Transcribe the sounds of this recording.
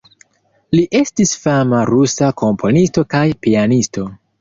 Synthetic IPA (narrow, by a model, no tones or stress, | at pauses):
liʔe̞stisfamaɾusako̞mpʰo̞nisto̞kajpianisto̞